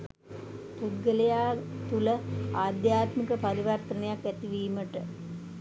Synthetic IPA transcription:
pud̪ɡəlejaːt̪uləaːd̪jaːt̪mikəpaɾiʋərt̪ənejakːæt̪iʋiːməʈə

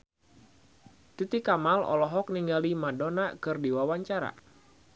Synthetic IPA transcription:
t̪it̪ikamalɔ̰lɔɦɔk̚niŋɡalimadonakɨrdiwawaɲt͡ʃaɾa̰

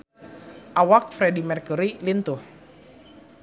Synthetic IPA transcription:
ʔawak̚fɾɛdimɛrkuɾilint̪uh

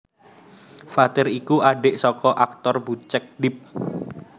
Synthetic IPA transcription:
fat̪ɪɾikuaɖeʔsɔkɔʔak̚t̪ɔrbut͡ʃək̚ɖɪp̚

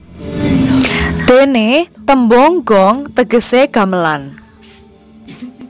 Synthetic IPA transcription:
d̪̥enet̪əmbɔŋɡɔŋt̪əɡ̥ə̤seɡ̥ä̤məlan

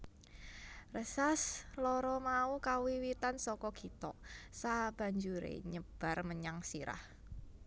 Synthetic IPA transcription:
rəsaslɔɾɔmaukawiwit̪ansɔkɔɡ̥it̪ɔsab̥a̤ɲd͡ʒuɾḛɲəb̥a̤rməɲaŋsiɾa̰h

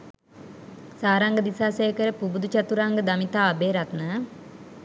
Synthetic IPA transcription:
saːɾaŋɡəd̪isaːsejəkəɾəpubud̪ut͡ʃat̪uɾaŋɡəd̪amit̪aːbeːɾat̪nə

